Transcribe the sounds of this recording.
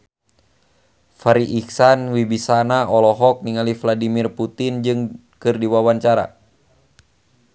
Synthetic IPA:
faɾiʔiksanwibisanaɔlɔɦɔk̚niŋalifladimirput̪ind͡ʒɨŋ | kɨrdiwawaɲt͡ʃaɾa̰

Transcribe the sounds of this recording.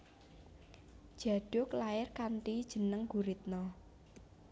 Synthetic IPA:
d̥ʒ̥ä̤ɖ̥ʊklaɪrkanʈ̪id̥ʒ̥ə̤nəŋɡuɾit̪̚nɔ

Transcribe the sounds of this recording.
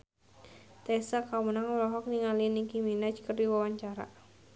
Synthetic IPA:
t̪ɛsakawənaŋulɔɦɔk̚niŋalinikiminat͡ʃkərdiwawaɲt͡ʃaɾa̰

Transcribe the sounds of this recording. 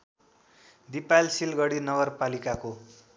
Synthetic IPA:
d̪ipalsilɡʌɽinʌɡʌrpalikako

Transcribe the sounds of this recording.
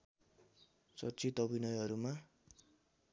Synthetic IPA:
t͡sʌrt͡sit̪ʌbinʌjɦʌɾuma

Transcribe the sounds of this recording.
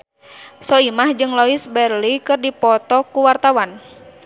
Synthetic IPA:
sɔimahd͡ʒɨŋlɔisbɛrlikɨrdipɔt̪ɔkuwart̪awan

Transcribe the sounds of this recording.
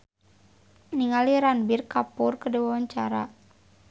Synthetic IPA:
niŋaliɾanbirkapʊrkədəwawaɲt͡ʃa̰ɾa̰

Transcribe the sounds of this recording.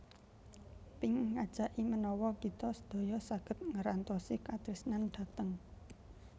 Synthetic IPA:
pɪŋːad̥ʒ̥a̤ʔimənɔwɔkit̪ɔsəd̪̥o̤jɔsaɡ̥ə̤t̪̚ŋəɾant̪ɔsikat̪ɾɪsnanɖ̪̥ä̤t̪əŋ

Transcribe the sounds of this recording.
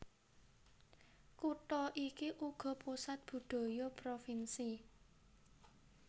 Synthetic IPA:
kut̪ɔʔikiʔuɡ̥ɔ̤pusat̪̚b̥ṳɖ̪̥o̤jopɾofinsi

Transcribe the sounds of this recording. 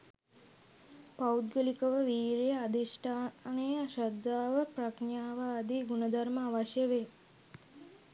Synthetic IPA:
paud̪̚ɡəlikəʋəʋiːɾejəad̪isʈʰaːnəjʃad̪ːaːʋəprakɳjaːʋaːd̪iɡunəd̪ʱaɾməːʋaʃjəʋe

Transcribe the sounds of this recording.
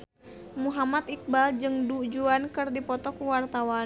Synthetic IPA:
muɦamat̪ik̚bald͡ʒɨŋdud͡ʒuankɨrdipɔt̪ɔkuwart̪awa

